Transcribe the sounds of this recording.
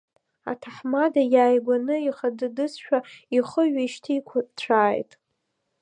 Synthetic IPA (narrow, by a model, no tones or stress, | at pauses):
a̰tʰaħmadajaːjɡʷanɨiχadɨdɨsʃᶣaiχəɥᶣaiʃtʰijkʷʰat͡ɕʷʰaːjtʼ